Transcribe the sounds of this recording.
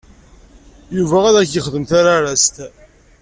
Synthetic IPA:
juvææðæçjəχəðəmθaɾaɾæst̪

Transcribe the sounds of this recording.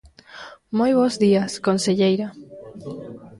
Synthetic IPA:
mojβ̞ozðiaskonseʎejɾa

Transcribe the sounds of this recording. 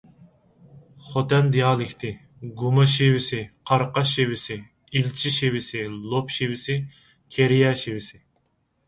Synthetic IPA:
χot̪ɛnd̪ijɑːlˠɪkʲt̪ʰɪ | ɡumɑʃiwɪsɪqʰɑɾqɑʃiwɪsɪ | ilt͡ʃʰiʃiwɪsɪlˠopʃiwɪsɪ | kʲʰeɾijɛʃiwɪsɪ

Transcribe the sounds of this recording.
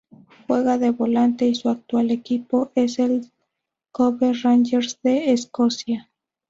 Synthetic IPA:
xweɣaðeβolant̪e̞isuak̚t̪walekipoʔesel | koβerand͡ʒeɾsðeːskosja

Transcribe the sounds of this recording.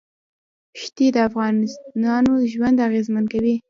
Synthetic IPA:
ʃt̪id̪əafɣɑnɪsnɑnoʒwand̪aɣezmankawi

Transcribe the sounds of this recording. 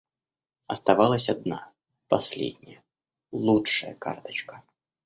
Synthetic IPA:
ɐst̪ɐvalˠəsʲɐd̪na̰ | pɐsʲlʲḛdʲnʲɪjə | lˠutʂəjə̰ka̰rt̪ə̥t͡ɕkə̥

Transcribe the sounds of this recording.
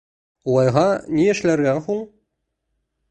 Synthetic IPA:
ulˠɑjʁɑnijɘ̆ʃlæɾɡæŋhuɴ

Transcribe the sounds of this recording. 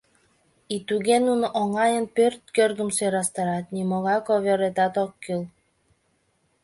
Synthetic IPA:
it̪uɣenunoʔoŋɑjə̆npørt̪̚kørɡə̆msøɾɑst̪ɑɾɑt̪nimoɣɑkoβøɾet̪ɑt̪okːil

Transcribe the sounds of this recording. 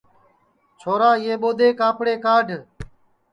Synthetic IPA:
t͡ʃʰoːɾaːɪeːɓoːd̪eːkãːpɽeːkaːɖʱ

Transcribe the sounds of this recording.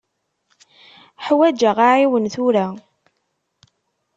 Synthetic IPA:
ħwæd͡ʒaʁaʕiwənθʊɾa

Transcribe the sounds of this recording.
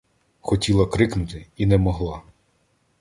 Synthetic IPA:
xɔtʲilˠɐkɾɪknʊt̪ɪinɛmɔɦlˠɑ

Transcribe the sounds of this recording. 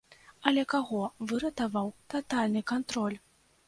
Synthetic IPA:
ɐlʲɛkaɣɔvɨɾɐt̪avawt̪at̪alʲnɨkant̪ɾɔlʲ

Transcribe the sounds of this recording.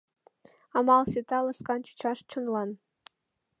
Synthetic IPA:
ɑmɑlˠsʲet̪ɑlˠɤ̆skɑnt͡ɕu̥t͡ɕɑʂt͡ɕŭnlˠɑn

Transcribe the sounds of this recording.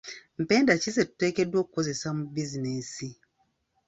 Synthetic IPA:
m̩pɛndat͡ʃisetekedokozesamubizinesi

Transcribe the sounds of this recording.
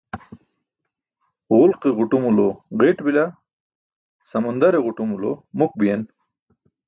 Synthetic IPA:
ʁʊlqiʁʊʈumuloʁeʈbila | sɐmund̪aɾeʁʊʈumulo̰muk̚bijen

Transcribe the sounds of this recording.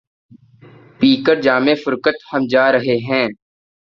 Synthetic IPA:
piːkəɾd͡ʒaːmeːfʊɾkət̪həmd͡ʒaːɾəɦeɦɛ̃ː

